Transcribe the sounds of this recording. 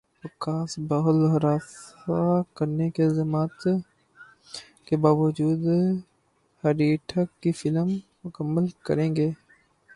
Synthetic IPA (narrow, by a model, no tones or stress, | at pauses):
pɪkaːsbaɦəlɦɐɾaːsakəɾnekelzəmaːt̪ | kebaːʋəd͡ʒuːd̪ | hɐɾiːʈʰəkːifɪləmː | ʊkəmːəlkə̰ɾẽːŋɡeː